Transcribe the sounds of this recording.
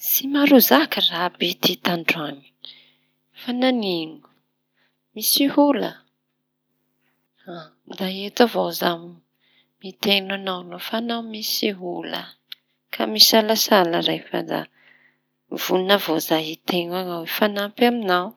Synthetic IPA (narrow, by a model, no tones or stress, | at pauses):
simaɾuzakərabit̪it̪aɳɖ͡ʐuami̥ | fananiŋu̥ | misihulə̰ | ad̪aet̪avozami | mit̪enanawnofanawmisiɦulə̰ | kʰa̰misalasaləɾejfa̰d̪a̰ | v̥ulunavozajit̪eŋaŋawefanampaminaw